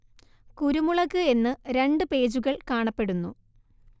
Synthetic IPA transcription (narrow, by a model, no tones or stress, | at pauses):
kuɾumuɭɐɣɨe̞nːɨɾe̞ɳɖɨpe̞ːd͡ʑuɣɐɭkaːɳɐpːe̞ɽunːṵ